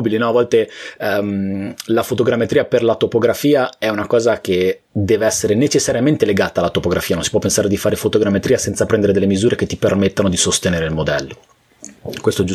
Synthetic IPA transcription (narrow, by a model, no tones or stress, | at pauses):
bilinɔavːɔlt̪emlafot̪oɡɾamːet̪ɾiːaperlat̪opoɡɾafiːaɛunakɔːzak̟e | d̪ɛːveɛsːeɾenet͡ʃesːaɾjament̪eleɡaːt̪alːat̪opoɡɾafiːanonsi̥pwɔpːensaːɾed̪ifaːɾefot̪oɡɾamːet̪ɾiːasɛnt̪sapɾɛnd̪eɾed̪elːemizuːɾek̟et̪ːipermet̪ːanod̪isost̪eneːɾeilmod̪ɛlːo | kwest̪oɛd͡ʒu